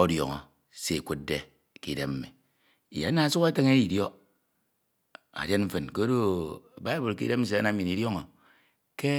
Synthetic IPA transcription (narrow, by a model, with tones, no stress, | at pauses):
o˦djɔ̰˨ŋɔ̰˨ | se˦e˨kʷu˦t̚de˦ | ki˦de˦mm̩˦mi˨ | i˨ja̰˨˦na˨a˨˦su˦ke˦ke˦ŋe˦i˨djo˦ | a̰˨de˦nm̩˦fɨ˨nko˦do˦˨ba˦e˦bu˨lkḭ˦de˦mm̩˦s̬e˨a˦na˨m̩˦i˨ni˨djo˦ŋo˨ | ke˦